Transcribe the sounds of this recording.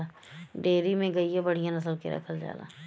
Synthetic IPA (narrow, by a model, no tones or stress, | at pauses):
a | ɖeːɾimẽɡɐiebɐɽ̤ijãnɐsəlkḛɾɐ̰kʰəld͡ʒa̰ːla̰ː